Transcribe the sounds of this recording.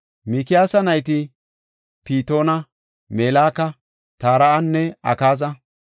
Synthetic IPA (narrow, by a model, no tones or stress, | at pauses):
mikɪjaːsɐnɐjt̪ɪ | piːt̪o̞ːnɐ | meːlaːkɐ | t̪aːɾɐʔɐnːɛɐ̰kaːzɐ